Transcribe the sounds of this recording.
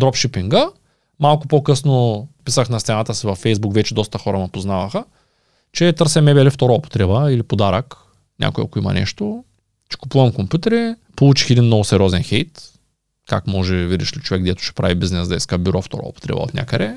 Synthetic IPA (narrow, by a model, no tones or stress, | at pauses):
d̪ɾɔpʃipiŋɡə | malˠkʊpokɤsnopisəxnɐst̪sɛnat̪əsivɐfːɛjzbukvɛt͡ʃɛd̪ɔst̪əxɔɾəmɐpoznavɐxə | t͡ʃɛt̪ɤɾsɛmɛbɛlift̪ɔɾoopo̥t̪ɾɛbəilipod̪aɾək | nʲʔa̰kʊja̰kʊimɐ̰nɛ̰ʃt̪o | t͡ʃɛ̥kʊ̥puvɐmkompjut̪ɛɾipolˠut͡ʃi̥xɛd̪inmːnɔɡʊsɛɾʲɔzɛnxɛjt̪ | kakmɔʒɛvid̪iʃlit͡ʃovɛkɡd̪ɛt̪ʊ̥ʃɛ̥pɾavibiznɛsd̪ɐiskəbyɾɔft̪ɔ̰ɾɔ̰ːpo̥t̪ɾɛ̰bɐ̰o̰t̪nʲa̰kəd̪ɛ